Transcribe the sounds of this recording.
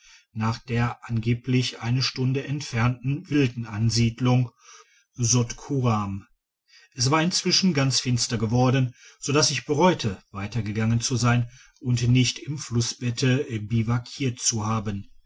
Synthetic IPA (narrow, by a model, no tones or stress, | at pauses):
naːχd̥eːɐʔanɡeːplɪçʔaɪnəʃtʊndəʔɛntfɛɐntn̩vɪldn̩ʔanziːdlʊŋ | zɔtkʰuʁam | ʔɛsv̥aːɐɪnt͡sv̥ɪʃn̩ɡant͡sfɪnstɐɡəvɔɐdn̩z̥odasɪçb̥əʁɔʏtʰəvaɪtɐɡəɡaŋənt͡suzaɪn | ʔʊntnɪçtɪmflʊsb̥ɛtʰəbivakʰiːɐtt͡suhaːbən